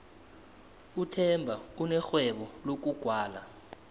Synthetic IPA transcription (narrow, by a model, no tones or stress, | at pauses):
utʰɛmbʱaunɛxwɛɓɔlok̬uɡ̥ʱwaːla̰